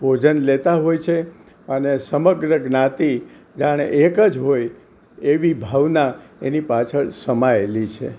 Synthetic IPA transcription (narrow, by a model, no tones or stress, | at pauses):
bʱod͡ʒənlet̪aɦojt͡ʃʰe | ənesəməɡɾəɡnat̪i | d͡ʒaɽ̃ḛʔekəd͡ʒɦoj | eʋibʱaʋnaenipat͡ʃʰəɭsəmaelit͡ʃʰḛ